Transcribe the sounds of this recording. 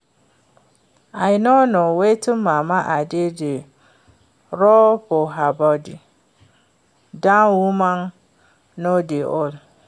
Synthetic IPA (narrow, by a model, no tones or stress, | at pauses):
aɪnonʊ̃wetʰʊ̃ːãːmãʔadɪdɪ | ɾɔbɔɦabɔdɪ | dãnwumãn | nõdɪʔɔl